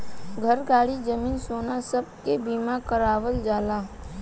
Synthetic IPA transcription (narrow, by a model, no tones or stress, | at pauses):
ɡʱəɾɡaːɽid͡ʒəmiːnsoːnasəb̚kebiːmakəɾaːʋəld͡ʒaːlaː